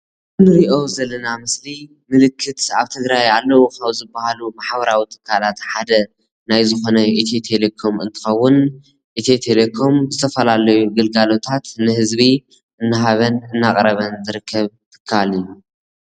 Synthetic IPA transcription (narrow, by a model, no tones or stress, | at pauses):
ɨnɨɾiʔo̞wzɐlːɐnamɨsli | mɨlɨkʰːɨt̪aβt̪ʰɨɡɾajalːɐwoxɐwzɨbːahalumaħbɐɾawit̪ʰɨ̥kʰːalat̪ħad̪ɐ | najzɨxo̞nɐit̪ʰit̪ʰelekʰo̞mɨ̰nt̪ʰɨ̥xɐwːʊn | ʔit̪ʰit̪ʰelekʰo̞mzɨt̪ʰɐfɐlalɐjuɡɨlɡalo̞t̪ʰat̪nɨhɨzbi | ʔɨnːɨɦaβɐnɨnːakʼɾɐβɐnzɨɾɨkʰːɐβt̪ʰɨ̥kʰːalijːu